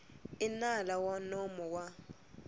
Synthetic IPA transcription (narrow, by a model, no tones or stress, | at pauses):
ɪnalawanɔmɔwa